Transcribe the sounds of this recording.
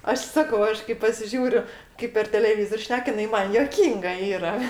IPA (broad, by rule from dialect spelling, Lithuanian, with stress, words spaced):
ˈɐʃ ˈsɑːkɐʊ ˈɐʃ kɐɪ pɐsʲɪˈʒʲuːrʲʊ ˈkɐɪp pʲɛr tʲɛlʲɛˈʋʲiːzoːrʲ ˈʃʲnʲɛk jɪˈnɐɪ ˈmɐn juɔˈkʲiːŋɡɐ ˈiːrɐ